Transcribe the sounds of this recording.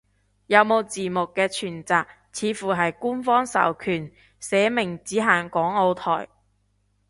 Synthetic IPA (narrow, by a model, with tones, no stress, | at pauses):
jɐ˨˧wmo˨˧wt͡siː˨˩mʊ˨kːɛː˧t͡ʃʰyː˨˩nt͡saː˨k̚ | t͡sʰiː˨˧˥fuː˨˩ɦɐ˨jkuː˥nfɔː˥ŋsɐ̰˨˩wkʰyː˨˩n | sɛː˨˥mɪ˨˩ŋt͡siː˨˥ɦaː˨ŋkɔː˨˥ŋo˧wt̪ʰɔ̰ː˨˩j